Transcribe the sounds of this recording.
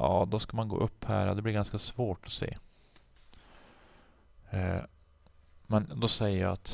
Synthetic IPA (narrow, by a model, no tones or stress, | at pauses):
ɑːd̪ɔskamanɡo̰ːʔɵpːhæːɾad̪ɛblɪɾɡanskasvoːʈɔsḛː | mɛnd̪ɔsɛjːəjɑ̰at̪